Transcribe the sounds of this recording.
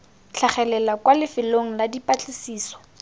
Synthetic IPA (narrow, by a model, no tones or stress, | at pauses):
t͡ɬʰaχɛlɛlakwalɪfɪloŋ̩ladipʼat͡ɬʼɪsiːsɔ̥